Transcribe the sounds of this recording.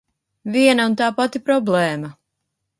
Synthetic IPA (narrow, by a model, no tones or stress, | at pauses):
viɛnaunt̪aːpat̪ipɾɔblˠɛːma